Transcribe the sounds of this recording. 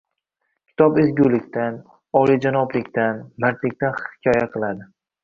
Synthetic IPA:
kʲʰɪ̥t̪ʰɒbɪzɡʲulɪkʲt̪an | ɒlˠid͡ʒanɒblɪkʲt̪anmaɾt̪lɪk̚ʲt̪anɪ̥kʲʰɒjaqʰɨlˠad̪ɪ

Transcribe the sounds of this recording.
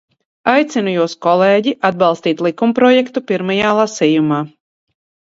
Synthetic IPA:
ajt̪sʲinujuɔskɔlˠeːɟiʔad̪̚bɑlˠst̪iːt̪lˠikumpɾɔjɛkt̪upʲiɾmajaːlˠasiːjumaː

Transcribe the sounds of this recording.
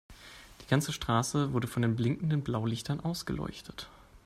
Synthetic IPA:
d̥iːɡant͡səʃtʁ̥aːsəvʊɐdəfɔndeːnblɪŋkn̩dənblaʊlɪçtʰɐnʔaʊsɡ̥ə̰lɔ̰ʏçtʰət

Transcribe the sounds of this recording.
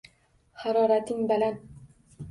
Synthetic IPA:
haɾɒɾat̪ʰɪŋbalan

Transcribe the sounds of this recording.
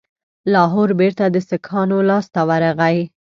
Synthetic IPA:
lɑɦoɾbeɾt̪ad̪əsɪkʰɑnolɑst̪awaɾaɣaj

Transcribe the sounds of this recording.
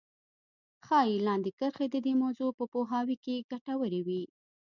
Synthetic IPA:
xɑjilɑnd̪ekəɾxed̪əd̪emawzupəpoɦɑwikeɡ̥aʈawəɾewi

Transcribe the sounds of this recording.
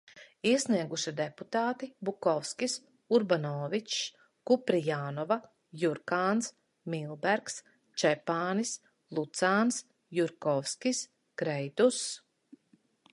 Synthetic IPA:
iɛsniɛɡuʃid̪eput̪aːt̪ibukɔwskʲis | uɾbanɔːvit͡ʃ | kupɾijaːnɔva | juɾkaːns | milˠbæɾks | t͡ʃɛpaːnis | lˠut̪saːns | juɾkɔwskʲis | kɾɛjt̪us

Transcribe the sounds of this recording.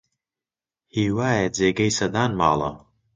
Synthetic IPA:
hiːwaːjɐd͡zeːɡɐjsɐd̪aːnma̰ːlˠɐ̰

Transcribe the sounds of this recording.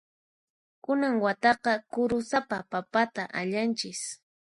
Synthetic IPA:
kʊnaŋwat̪ɑqɑkʊɾʊsapapapat̪aʔaʎant͡ʃɪs

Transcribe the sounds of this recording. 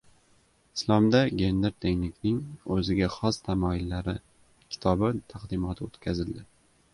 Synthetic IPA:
ɪslˠɒmd̪aɡʲend̪ɪɾt̪ʰeŋlɪkʲnɪŋɵzɪɡʲaχɒst̪ʰamɒɪlːaɾɪ | kʲʰɪ̥t̪ʰɒbɪt̪ʰaqd̪ɪmɒt̪ʰot̪kʲʰazɪld̪ɪ

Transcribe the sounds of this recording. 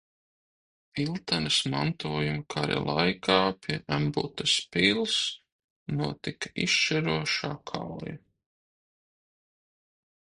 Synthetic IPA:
ilˠt̪anɨsmant̪uɔjumkʰaɾɛ̰lˠa̰jkʰaːpʰʲiɛʔæmbṵt̪ɐspiːlˠs | nuɔt̪ikḭʃt͡ʃiɾuɔʃaːkʰa̰lˠja̰

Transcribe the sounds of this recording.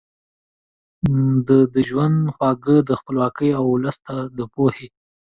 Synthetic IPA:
d̪əd̪əʒwand̪xwɑɡəd̪əxpəlwɑkəjawʊləst̪ad̪əpohe

